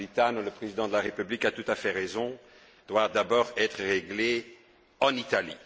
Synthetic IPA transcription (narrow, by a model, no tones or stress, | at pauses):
lit̪anuləpχezid̪ɑ̃d̪əlaʁepyblikat̪ut̪afɛʁezɔ̃ | d̪̥wad̪abɔːʁɛt̪χəʁeɡle | ɑ̃nit̪alḭ